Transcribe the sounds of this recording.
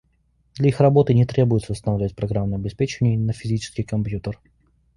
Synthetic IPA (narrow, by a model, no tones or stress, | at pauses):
d̪lʲɐixrɐbo̞t̪ɨnʲɪt̪ɾʲʔebʊjɪt̪səʊst̪ənɐvlʲvətʲpɾɐɡɾamnʊɐbʲɪspʲet͡ɕɪvənʲɪjnəfʲɪzʲit͡ɕɪ̥skʲɪjkɐmpjut̪ər